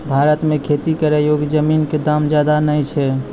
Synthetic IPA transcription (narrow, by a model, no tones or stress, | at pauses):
bʱaɾət̪mekʰet̪ikəɾejoɡd͡ʒəminked̪amd͡ʒjad̪anəjt͡ʃʰɛ